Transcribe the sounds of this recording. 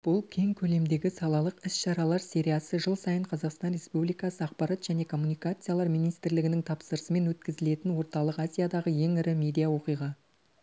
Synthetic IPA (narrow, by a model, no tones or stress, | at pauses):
b̥ʊlˠkʲʰe̞ŋkʲʰɵle̞md̪e̞ɡʲɪsɑlˠɑlˠəqɪsʃɑɾɑlˠɑɾsʲe̞ɾʲijasəʒəlˠsɑjəɴqʰɑzɑqst̪ɑnɾʲe̞spublikɑsəɑqpɑɾɑt̪ʒ̥æne̞kʰo̞mːunijkat̪sɨjalˠɑɾmijnijst̪ɪɾlɪɡʲɪnɪŋt̪ʰɑpsəɾəsəme̞nwɵt̪kʲɪzɪle̞t̪ɪnwo̞ɾt̪ɑlˠəqazʲijad̪ɑʁəje̞ŋɪɾɪmʲe̞d̪ijawo̞qijʁɑ